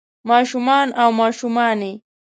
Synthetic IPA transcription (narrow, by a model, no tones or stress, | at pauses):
maʃʊmaːnawmaʃʊmani